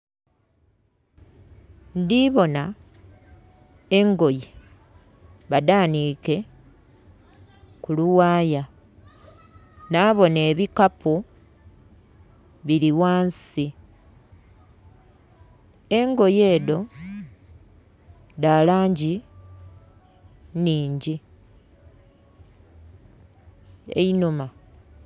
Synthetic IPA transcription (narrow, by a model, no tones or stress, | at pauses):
ndiβo̞na | e̞ŋɡo̞je | βadaːniːke̞ | kuluwaːja | naːβo̞ne̞ːβikapu | βiɾiwaːnsi | eŋɡo̞je̞ːdo̞ | dalaːɲɟi | niːɲɟi | ḛinuma